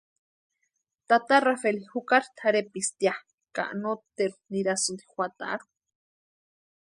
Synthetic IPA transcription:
t̪at̪arafelihukaɾt̪ʰaɾepist̪ja | ka̰ʔnot̪eɾuniɾasund̪i̥xʷat̪a̰ʔɾu̥

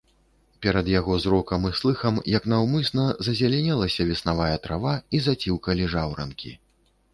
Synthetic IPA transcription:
pʲɛɾɐd̪jaɣɔzɾɔkɐmɨslˠɨxɐmjɐknawmɨsnɐzɐzʲalʲɛnʲɛlˠɐsʲɐvʲisnavajɐt̪ɾavaizat͡sʲiwkɐlʲiʐawɾɐ̰nkʲḭ

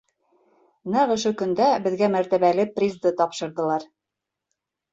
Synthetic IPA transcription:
næʁɵ̆ʃɵkɵ̆nd̪æbɘ̆ðɡæmæɾt̪æβælɘprʲizd̪ɤt̪ɒpʃɤ̆ɾðɤ̆lˠɑɾ

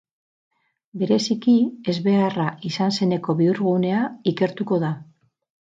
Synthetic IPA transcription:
be̞ɾe̞sikie̞zβe̞araisanse̞ne̞ko̞βiuɾɣune̞aike̞ɾt̪uko̞ða

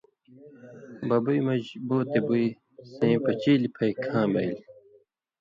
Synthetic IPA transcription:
bɐbujmɐʑboːt̪ebuj | sẽːpɐt͡ɕiːlipʰɐjkʰãːbɐjl

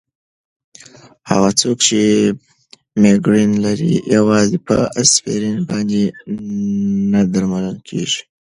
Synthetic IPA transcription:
ha̰ɣat͡sokt͡ʃe | meɡɾinlaɾḭjawɑzipə̰asfḛɾinbɑnd̪e | nad̪aɾmaləlkʰḛʒi̥

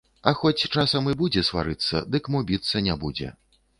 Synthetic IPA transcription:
ɐxɔt͡sʲt͡ʂasɐmɨbud͡zʲɛsva̰ɾɨt̪sːɐ̰d̪ɨkmubʲit̪sːɐnʲɛbud͡zʲɛ̰

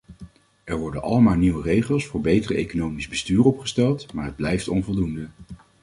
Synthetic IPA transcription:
ɛɹʋɔɹdənɑ̰ləmaːlˠniwərejχəlˠsfʊːɹbejtərəḛjkonowmizbəstyːrɔpχə̥stɛlˠtmaːɹɦəd̚blɛjftɔnvɔlˠdundə

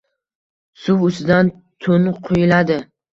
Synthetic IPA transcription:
sʊwʊsɪd̪an | t̪ʰʊnqʰojɪlad̪ɪ

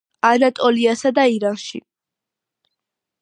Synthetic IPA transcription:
anat̪ʼɔliasad̪aiɾanʃḭ

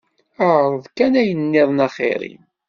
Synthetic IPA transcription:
əɾˤəðˤkænæjənːɪðˤnɑχḛɾḭm

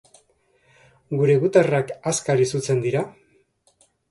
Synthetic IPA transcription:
ɡuɾe̞ɣut̪arakaskaɾisut͡se̞nd̪iɾa

